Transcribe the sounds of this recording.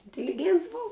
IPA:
ɪnʲtʲɪlʲɪˈɡʲiɛnts ˈbʊw

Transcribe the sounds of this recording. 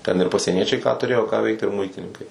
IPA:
tʲɛn ɪr pɐsʲiɛˈnʲiɛt͡ʃʲɛɪ kɑː tʊˈrʲeːjoː kɑː ˈʋʲɛɪkt ɪr ˈmʊɪtʲɪnʲɪŋkɐɪ

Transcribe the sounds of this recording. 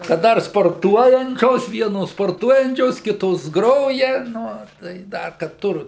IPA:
kɐt ˈdɐr spoːrˈtuɔjɛnʲt͡ʃʲoːs ˈʋʲiɛnoːs spoːrˈtuɔjɛnʲt͡ʃʲoːs ˈkʲɪtoːs ˈɡroːjɛ ˈnʊ tɐɪ ˈdɐr kɐt ˈtʊr

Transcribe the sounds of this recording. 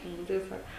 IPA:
ˈnʊ tɐɪ ˈsɐk

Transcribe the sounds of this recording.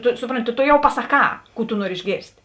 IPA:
ˈtʊ ˈsʊproːnʲˌtʲɪ tʊ tʊ ˈjɛʊ pɐsɐˈkɑː ˈkuː tʊ ˈnuɔrʲɪ ɪʒʲˈɡʲeːrʲsʲtʲ

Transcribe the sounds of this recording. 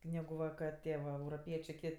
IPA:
ˈnʲæːɡʊ ˈʋɐ kɐ ˈtʲiɛ ʋɐ ɛʊroːˈpʲiɛt͡ʃʲeː ˈkʲɪtʲ

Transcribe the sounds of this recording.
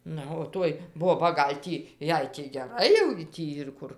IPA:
ˈnɐ oː ˈtoːj ˈboːbɐ ˈɡɐlʲ tʲiː ˈjɛɪ tʲiː ɡʲɛˈrɐɪ jɛʊ ɡʲɪ ˈtʲiː ɪr ˈkʊr

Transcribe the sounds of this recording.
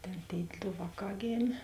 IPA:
ˈtʲeːn tʲeːɪ ˈdoː ˈʋɑːˌkɑː ˈɡʲeːmʲeː

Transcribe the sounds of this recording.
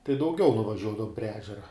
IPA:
tɐɪ dɐʊˈɡʲɛʊ nʊʋɐˈʒʲuɔdɐʋʊm pʲrʲiɛ ˈæːʒʲɛrɐ

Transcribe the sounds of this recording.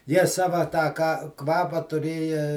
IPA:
jiɛ ˈsɑːʋɐ tɑː kɐ ˈkʋɑːpɑː tʊˈrʲeːjɛ

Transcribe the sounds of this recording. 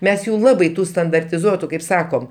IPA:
ˈmʲɛs ˈjuː ˈlˠɑːbɐɪ ˈtuː stɐndɐrʲtʲɪˈzuɔtʊ kɐɪp ˈsɑːkoːm

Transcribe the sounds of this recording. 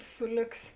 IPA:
ˈsʊ ˈlʲoːksʲ

